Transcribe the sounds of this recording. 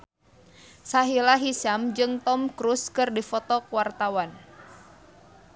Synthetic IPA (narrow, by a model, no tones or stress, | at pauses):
saɦilaɦisamd͡ʒɨŋt̪ɔmkɾuskɨrdifɔt̪ɔkuwart̪awan